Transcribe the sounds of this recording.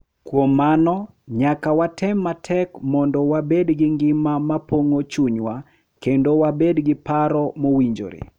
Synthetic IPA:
kwomːanɔ | ɲakawatʰɛmːatʰɛkmɔndɔwabedɡɪŋɡɪmamapoŋot͡ʃuɲwa | kendowabedɡɪpaɾɔmowiɲd͡ʒo̰ɾḛ

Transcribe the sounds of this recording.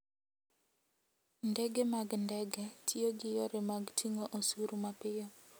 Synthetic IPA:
ndɛɡɛmaɡndɛɡɛtʰioɡɪjoɾemaɡtʰiŋoʔosuɾumapɪjɔ

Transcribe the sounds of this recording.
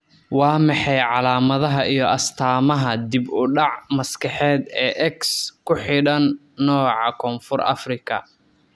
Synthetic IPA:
wɑːmɑħɑjʕɑlaːmɐðɐɦɐijɞɐst̪ʰaːmɐɦɐd̪ɪbʊɖɑʕmɐskʰɐħɛːd̪ɛːʔɛkskʰʊħɪɽɐnː | ɔːʕɑkʰɔːnfʊrɐ̰frɪkʰɐ̰

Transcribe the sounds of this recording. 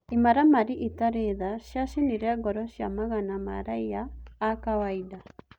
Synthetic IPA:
imaɾamaɾiʔitaɾeðaʃjaʃiniɾɛɡɔɾɔʃja̰maɣanama̰ɾajaːkawaida

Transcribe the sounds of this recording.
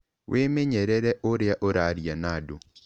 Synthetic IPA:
wʔemeɲɛɾɛɾɛʔoɾeaʔoɾaɾjanado

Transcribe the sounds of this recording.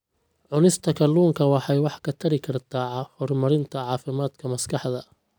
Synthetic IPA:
ʕʊnɪst̪ʰɐkʰɐluːŋkʰɐwɑħɑjwɑħkʰɐt̪ʰɐɾɪkʰɐrt̪ʰaːʕhɔrmɐɾɪnt̪ʰɐʕɑːfɪmaːd̪kʰɐmɐskʰɑħd̪ɐ

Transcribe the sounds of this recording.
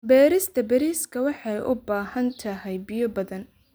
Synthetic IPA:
bɛːɾɪst̪ʰɐbɛɾiːskʰɐwɑħɑjʊ̰baːɦɐnt̪ʰɐɦɛjbɪjɔbɐðɐn

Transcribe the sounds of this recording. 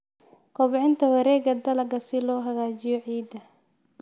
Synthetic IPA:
kʰɔβʕɪnt̪ʰɐwɐɾɛːɣɐd̪ɐlɐɡɐsɪlɔːɦɐɣaːt͡ʃɪjɔʕiːd̪ɐ

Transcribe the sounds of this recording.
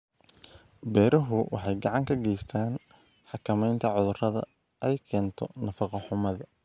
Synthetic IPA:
bɛːɾɐɦʊwʔɑ̰ħɑjɡɑʕɑŋkʰɐɡɛjst̪ʰaːn | ħɑkʰɐmɛjnt̪ʰɐʕʊðʊrɐðɐ̰ | ʔɛjkʰɛːnt̪ʰɔ̰nɐfɑqɑħʊmɐðɐ

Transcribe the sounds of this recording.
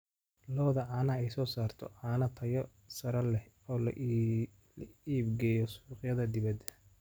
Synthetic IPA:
lɔːðɐʕaːnɐɛjsɔːsaːrt̪ʰɔ̰ʕaːnɐt̪ʰɐjɔ | sɐɾɐlɛ | ɔːl̰ | liːbɡɛːjɔsuːqjɐðɐd̪ɪβɐd̪ɐ

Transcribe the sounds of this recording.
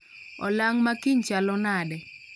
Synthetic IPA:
ɔlaŋmakiɲt͡ʃalɔnadɛ

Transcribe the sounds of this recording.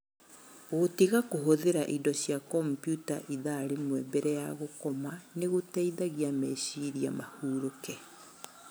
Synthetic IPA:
ɣotiɣakoɦoðeɾaʔidɔɕjakɔmpjuta̰ʔiðaɾemwɛbɛɾɛjaɣokɔmaneɣotɛiðaɣiamɛɕiɾia̰mahuːɾokɛ

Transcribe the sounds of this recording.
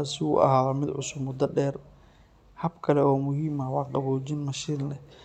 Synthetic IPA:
asɪʊ̰ʔɐ̰ɦaːðɔmɪd̪ʕʊsʊbmʊd̪ɐɖɛːr | hɐbkʰɐlɛɔːmʊɦiːmɐwɑːqɑβɔːt͡ʃɪnmɐʃiːnlɛ

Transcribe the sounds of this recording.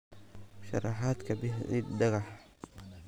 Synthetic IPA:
ʃɑ̰rɑħaːd̪kʰɐbɪħɪɖɐɣɑħ

